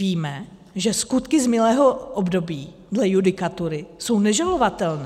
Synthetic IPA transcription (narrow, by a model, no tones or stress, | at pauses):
iːmɛ | ʒɛskut̪kɪzmɪlɛːɦo̞ʔobdo̞biː | dlɛjudɪkat̪uɾɪso̞wnɛʒalo̞vat̪ɛlnɛ